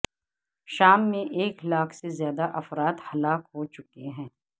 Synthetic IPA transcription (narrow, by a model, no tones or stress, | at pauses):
ʃaːmːẽʔeːklaːkʰsezjaːd̪aʔɐfɾaːt̪hɐlaːkɦot͡ʃʊkeɦɛ̃ː